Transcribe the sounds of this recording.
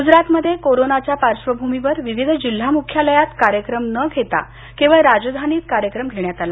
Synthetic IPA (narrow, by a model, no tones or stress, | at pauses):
ɡud͡zɾat̪məd̪ʱːjekoɾonat͡ɕjapaɾʂʋəbʱumiʋəɾʋiʋid̪ʱəd͡ʑil̤ːamukʰjaləjat̪kaɾjəkɾəmnəɡʱet̪a̰ | kĩʋaɾad͡zd̪ʱaniːt̪kaɾjəkɾəmɡʱeɳjat̪ala